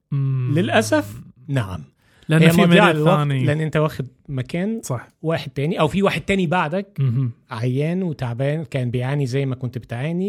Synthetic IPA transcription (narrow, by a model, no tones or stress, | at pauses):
lelʔæsæf | naʕa̰m | ʔænheːjːmɑmːwɑnleʔænːʔent̪æwæːxed̪̚ | mækæːnsˤɑħwæːħed̪̚t̪æːniʔæwfiwaːħed̪̚t̪æːnibaʕd̪ækʕajːæːnwet̪aʕbæːnkæːnbejʕaːnizæjːmækont̪bet̪aʕaːni